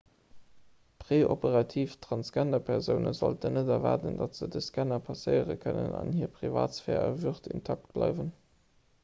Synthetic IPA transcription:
pʁeːʔopəʁɑtʰiːftʁ̥ɑnsɡændɐpʰɛʁzəʊnəzo̰ltənədɛvɑːtəndɑtz̥ədəskænɐpʰɑsəɪəʁəkʰənə̰nɑ̰nhiːɐpʁiva̰ːtsfɛːʁəvyʁtʰintʰɑk̚t̚b̥lɑɪvən

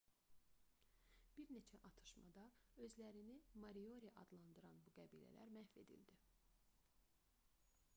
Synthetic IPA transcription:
b̥iɾne̞t͡ʃʰæʔɑt̪ʰɯ̥ʃmɑ̰d̪ɑø̞zlæɾinimɑɾio̞ɾiʔɑd̪lˠɑnd̪ɯɾɑnbuɡæbḭːlæ̰læ̰ɾmæhfe̞d̪ḭld̪i

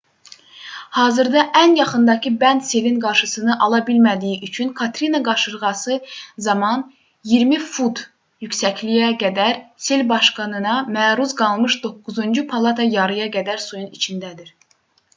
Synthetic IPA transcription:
hɑːzɯɾd̪ɑʔænjɑχɯnd̪ɑcʰibænd̪se̞vinɡɑɾʃɯsɯnɯʔɑlˠɑbilmæd̪ijiʔyt͡ʃʰynkʰɑt̪ɾinɑɡɑɾʃɯɾʁɑsɯzɑmɑn | jiɾmifud̪ | jycʲsæclijæɡæd̪æɾselʲbɑʃkɑnɯnɑmæːɾuzɡɑlˠmɯʃd̪o̞kːuzund͡ʒupʰɑlˠɑt̪ʰɑjɑɾɯjɑɡæd̪æɾsujunit͡ʃʰind̪æd̪iɾ

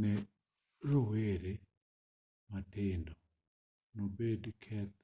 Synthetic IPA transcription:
ne | ɾoweɾe | matɪndɔ | nobedkʰɛt̪̚

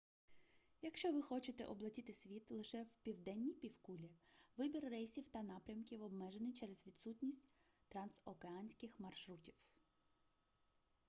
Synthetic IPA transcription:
jɐkʃt͡ʃɔʋɪxɔt͡ʃɪt̪ɛ̰ʔɔblˠɐtʲit̪ɪsʲʋʲit̪lˠɪʃɛwpʲiwd̪ɛnʲːipʲiwkulʲiʋɪbʲirːɛjsʲiwt̪ɐnɑpɾʲɐmkʲiwɔbmɛʒenɪjt͡ʃɛɾɛz̥ʋʲid̪sutʲnʲisʲtʲ | t̪ɾɐnsɔkeɑnʲsʲkɪxmɐrʃɾutʲiw

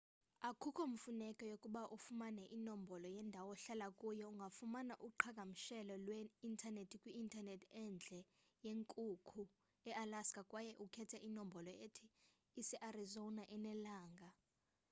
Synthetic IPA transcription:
akʰukʰɔm̩funɛkʼɔjokʼuɓaʔufumanɛʔinombʱɔlɔjɛndʱawɔɬalakʼujɔuŋɡʱafumanaʔuǃʰakʼam̩ʃɛlɔlweintʰanetʰikʼwiːntʰʼanetʰɛnd͡ɮʱɛ | jeŋkʼukʰu | ɛʔalaskʼakʼwajɛʔukʰɛtʰɛʔinombʱɔlɔetʰiː | sɛʔarizonaʔɛnɛlaːŋɡʱa

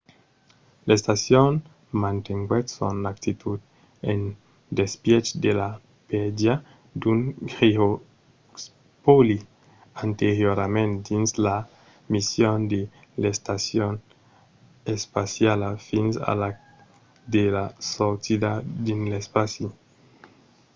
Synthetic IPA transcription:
lest̪asjon | mant̪eŋɡwet̪so̰nakt̪it̪ʰud̪ | en | d̪espjɛt͡ʃd̪ela | pɛdja | d̪unɡʁio | s | poli | ant̪eɾjoɾamẽnt̪d̪insla | misjond̪e | lest̪asjon | espasjalafinsa̰la | d̪elasosid̪ad̪inlespasi

